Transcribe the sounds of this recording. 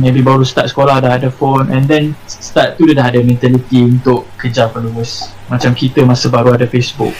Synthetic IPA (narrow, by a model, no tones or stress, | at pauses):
mẽbibaɾust̪at̪̚sə̥kolahdaɦadəfonʔɛ̃ndɛnsə̥t̪at̪̚t̪udadaɦadəmɛ̃nt̪alit̪iunt̪ʊʔkəd͡ʒapəluəs | mat͡ʃamkit̪əmasəbaɾuadəfesbʊ̰k̚